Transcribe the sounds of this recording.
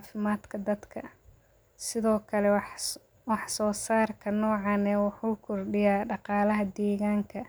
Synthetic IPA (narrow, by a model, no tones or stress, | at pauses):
fɪmaːd̪kʰɐd̪ɐd̪kʰɐ | sɪðɔːkʰɐlɛ | wɑħsɔːsaːrkʰɐnɔːʕɑːnɛwɑħuːkʰʊrɖɪjaːɖɑqɑːlɐɦɐd̪ɛːɣaːŋkʰɐ